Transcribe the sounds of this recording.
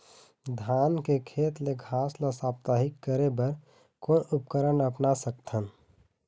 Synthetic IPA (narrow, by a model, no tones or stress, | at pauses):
d̪ʱaːnkekʰeːt̪leɡʱaːsləsaːp̚t̪aːɦɪkːəɾebəɾ | koʊpkəɾənəpnasək̚t̪ʰən